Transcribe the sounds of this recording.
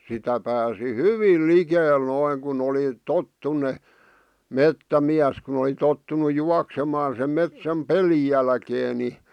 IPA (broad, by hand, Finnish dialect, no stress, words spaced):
sitæ pæːsi hyʋiːl likeːl noiŋ kun oli totːunːe metːæmiæs kun oli totːunu juɑksemɑːn̞ sem metsæm peli jælkeː ni